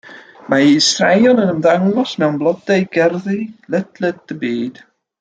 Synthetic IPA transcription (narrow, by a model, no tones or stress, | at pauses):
maisrajɔnənəmðaŋɔsmɛwnblˠɔdajɡɛrðɨlˠɛd̥lɛd̚d̥əbiːd̥